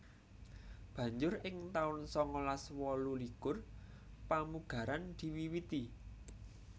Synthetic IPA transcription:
b̥ä̤ɲd͡ʒʊrɪŋt̪aʊnsɔŋɔlaswɔlulikʊr | pamuɡ̥ä̤ɾand̪̥i̤wiwit̪i

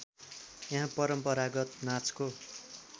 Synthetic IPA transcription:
jãɦãpʌɾʌmpʌɾaɡʌt̪̚nat͡sko

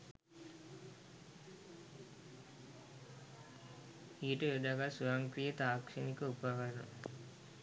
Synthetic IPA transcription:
ijʈəʋed̪aɡasujaŋkɾijət̪aːkʂenikəupaʋaɾnṵ

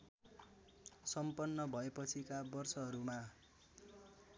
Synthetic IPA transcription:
sʌmpʌnːʌbʱʌepʌt͡sʰikabʌrsʌɦʌɾuma

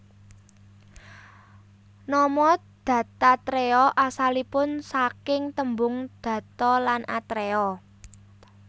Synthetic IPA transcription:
nɔmɔd̪̥ä̤t̪at̪ɾeɔʔasalipʊnsakɪŋt̪əmbʊŋd̪̥ä̤t̪ɔlanʔat̪ɾeɔ

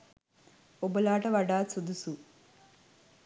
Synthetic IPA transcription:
obɐlaːʈɐʋɐɖaːt͡sud̪usu

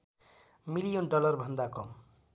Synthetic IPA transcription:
milijonɖʌlʌrbʱʌnd̪akʌm

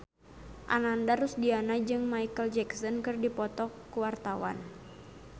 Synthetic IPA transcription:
ʔa̰nandaɾusdianad͡ʒɨŋmaikəld͡ʒɛksɔnkɨrdipɔt̪ɔkːuwart̪awa̰n

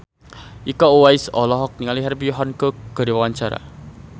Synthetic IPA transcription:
ʔikɔuwaisɔlɔɦɔk̚niŋaliɦɛrpijɔɦankəɡ̥a̤ɾiwawaɲt͡ʃaɾa̰

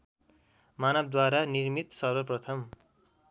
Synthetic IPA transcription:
manʌb̚d̪waɾanirmit̪sʌrbʌprʌt̪ʰʌm

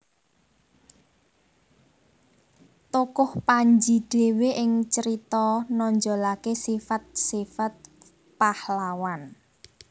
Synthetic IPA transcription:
t̪ukʊhpaɲd͡ʒiɖ̥e̤weʔɪŋt͡ʃəɾit̪ɔnɔɲd͡ʒɔlakesifat̪̚sifat̪̚ | pahlawan

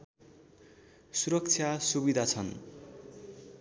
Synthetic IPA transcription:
suɾʌk̚t͡sʰjasubid̪ʱat͡sʰʌn

